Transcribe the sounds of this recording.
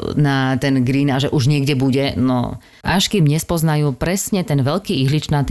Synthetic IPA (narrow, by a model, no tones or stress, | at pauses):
nat̪ɛnɡɾiːnaːʒɛʔuʒɲɪɛɡɟɛbuɟɛnɔ̰ | aʃkimɲɛspɔznajuːpɾɛsɲɛt̪ɛnʋɛlkiːiɦlit͡ʃnat̪